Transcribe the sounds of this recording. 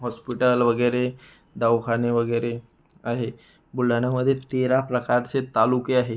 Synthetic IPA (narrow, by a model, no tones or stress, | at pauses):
ɦɔspiʈəlʋɐɡɛːɾe | d̪aʋkʰaneʋɐɡɛːɾe | aɦe | bʊlanaməd̪ʱjet̪eːɾapɾɐkaːɾset̪alukiaːɦe